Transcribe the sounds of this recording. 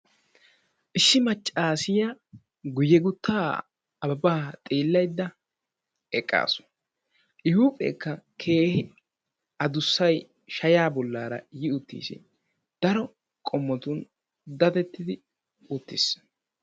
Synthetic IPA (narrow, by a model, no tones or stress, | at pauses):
ʔɪʃːɪmɐt͡ʃʼːaːsɪja | ɡʊjːɛɡʊt̪ːaː | ɐbaːt̪ʼiːlːɐjd̪ːɐ | ɛkʼːa̰ːsʊ̥ | ʔɪhuːpʼḛːkːɐkʰe̞ːhɪ | ɐd̪ʊsːɐj | ʃɐjaːbɔlːaːɾɐ̰jɪʊt̪ːḭːsɪ̰ | d̪̥ɐɾɔ | kʼɔmːɔt̪ʊn | d̪ɐt̪ɛt̪ːɪd̪ɪ | ʊt̪ːɪs